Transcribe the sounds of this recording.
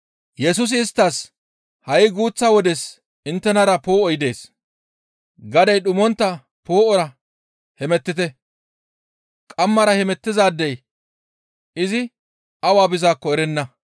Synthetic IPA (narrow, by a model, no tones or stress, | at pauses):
jɛs̬ʊs̬ɪːst̪ːɐs | hɐjɪɡuːt͡sːawɔd̪ɛs | ɪnt̪ːɛnɐɾɐpo̞ːɔjɪd̪e̞ːs | ɡɐd̪ɐjɗʊmɔnt̪ːɐ | po̞ːɔɾɐ | hɛmɛt̪ːɪt̪ɛ | kʼɐmːɐɾɐhɛmɛt̪ːɪzaːd̪ːɛj | ɪzɪ | ɐwaːbɪzaːkːɔɛɾɛnːɐ